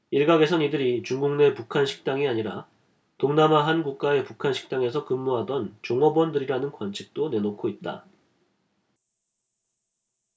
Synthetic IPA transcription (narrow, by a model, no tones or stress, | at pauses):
iɭɡaɡe̞sʰʌnidɯɾit͡ɕuŋɡuŋne̞pukʰanɕʰi̥k̚t͈aŋiaɲiɾa̰ | toŋnamaɦanɡuk̚k͈ae̞pukʰanɕʰi̥k̚t͈aŋe̞s̬ʰʌkɯmːoɦadʌnt͡ɕoŋʌbwʌndɯɾiɾanɯnɡwant͡ɕʰi̥k̚t͈onenokʰoit̚t͈a̰